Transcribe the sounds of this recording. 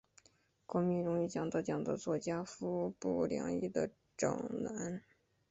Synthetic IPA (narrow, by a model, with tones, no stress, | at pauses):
kwɔ˧˥mi˧˥ɻʊ˧˥ŋi˧˩t͡ɕjɑ˨˩ŋt͡s̪ɑ˥˧˩t͡ɕjɑ˨˩ŋd̪ə̰˧t͡swɔ˥˩t͡ɕja˥fu˥pu˥˩ljɑ̰˧˥ŋḭ˥˩d̪ə˩ | ʈ͡ʂɑ̰˨˩ŋna˧˥n